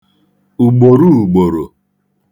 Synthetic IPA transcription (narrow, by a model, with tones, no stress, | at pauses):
u˨ɡ͡bo˨ɾu˦˨ɡ͡bo˨ɾo˨